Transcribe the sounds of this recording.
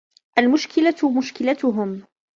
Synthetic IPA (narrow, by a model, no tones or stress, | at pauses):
ʔalmʊʃkɪlamʊʃkɪlat̪ʊɦʊm